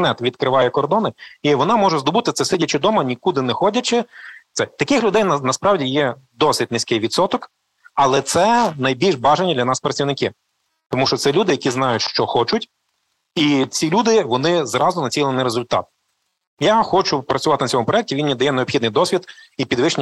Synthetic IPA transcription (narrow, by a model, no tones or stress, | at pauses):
nɛt̪ʋʲid̪kɾɪʋɑjɛkɔrd̪ɔnɪiʋɔnɑmɔʒɛzd̪ɔbʊt̪ɪt̪sɛsɪdʲɐt͡ʃɪd̪ɔmɐnʲikud̪ɪnɛxɔdʲɐt͡ʃɪt̪sɛt̪ɐkɪxlʲʊd̪ɛjnɐnɐspɾɑwdʲijɛ | d̪ɔsɪtʲnɪsʲkɪjʋʲid̪sɔt̪ɔk | ɐlˠɛt̪sɛnɐjbʲilʲʒbɑʒenʲːid̪lʲɐnɑspɾɐt͡sʲiwnɪkɪ | t̪ɔmuʃt͡ʃɔt̪sɛlʲud̪ɪjɐkʲiznɑjʊtʲʃt͡ʃɔxɔt͡ʃʊtʲ | it͡sʲilʲud̪ɪʋɔnɪzrɑzʊnɐt͡sʲilˠenɪjɾezʊlʲt̪ɑ̰t̪̚ | jaxɔt͡ʃʊpɾɐt͡sʲʊʋɑt̪ɪnɐt͡sʲɔmʊpɾɔjɛk̚ʲiʋinʲmʲid̪ɐjɛneɔbxʲid̪njd̪ɔsʲʋʲid̪ipʲid̪ʋɪʃnʲ